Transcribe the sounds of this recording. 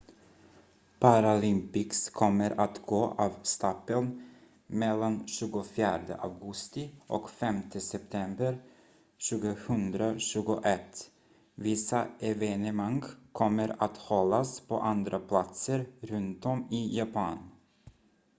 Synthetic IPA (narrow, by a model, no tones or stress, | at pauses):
pʰaɾalɪmpɪkskʰɔmːəɾʔat̪ɡ̥oːʔɑːvst̪ɑpːən | mɛlːanɕʉ̟ːɡʊfjæːɖə̰ʔavɡɵst̪ɪʔɔ̰kfɛmt̪ʰəsɛp̚t̪ʰɛmbəɾ | ɕʉ̟ːɡʊhɵnd̪ɾaɕʉ̟ːɡʊʔɛt̪ː | vɪsaʔɛvɛnɛmaŋɡkʰɔmːəɾat̪hɔlːaspʰɔ̰ʔand̪ɾʔapʰlat̪səɾɾɵnt̪ɔmɪjapʰɑːn